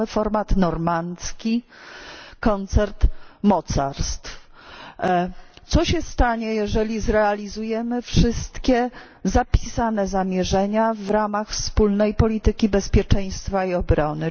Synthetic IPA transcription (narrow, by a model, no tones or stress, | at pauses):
ɘfɔɾmat̪nɔɾmant̪skʲi | kɔnt̪sɛɾt̪mɔt̪sa̰ɾst̪f | t̪sɔɕɛst̪aɲɛjɛʐɛlʲizɾɛalʲizujɛmɘfʂɘst̪kʲɛ | zapʲi̥sanɛzamʲjɛʐɛɲavɾamaxfspulnɛjpɔlʲit̪ɘkʲibɛspʲjɛt͡ʂɛj̃st̪faiɔbɾɔnɘ